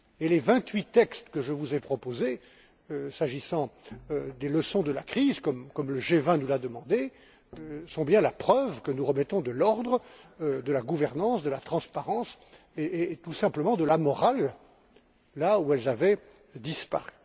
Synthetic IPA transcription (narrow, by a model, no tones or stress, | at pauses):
elevɛ̃t̪ɥit̪ɛkst̪kəʒəvuzɛpχɔpoze | saʒisɑ̃d̪eləsɔ̃d̪əlakχizkɔmkɔmləʒevɛ̃nulad̪əmɑ̃d̪e | øsɔ̃bjɛ̃lapχœvkənuʁəmɛt̪ɔ̃d̪əlɔʁd̪ʁəd̪əlaɡuvɛʁnɑ̃sd̪əlat̪χɑ̃spaʁɑ̃s | et̪usɛ̃pləmɑ̃d̪əlamɔʁal | auɛlzavɛ | d̪ispa̰ʁy